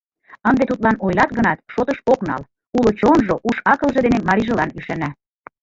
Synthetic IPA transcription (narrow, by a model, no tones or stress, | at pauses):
ənd̪et̪ut̪lɑnojlɑt̪ɣə̆nɑt̪ʃot̪ɤʃoknɑ̰l | ulot͡ɕonʒoʔuʃɑkɤ̆lʒɤ̆d̪enemɑɾiʒɤ̆lɑnyʃænæ